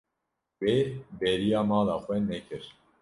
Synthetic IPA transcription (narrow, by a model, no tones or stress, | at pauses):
webɛɾijaːmaːlaxwɛnɛkʰɨɾ